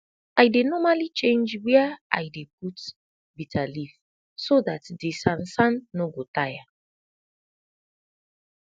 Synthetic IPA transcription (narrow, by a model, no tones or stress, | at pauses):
ajdenɔmalit͡ʃẽnd͡ʒwɛɛa̰jdep̚ut | bitʰalif | soðatdesãnsãnnoɡotaja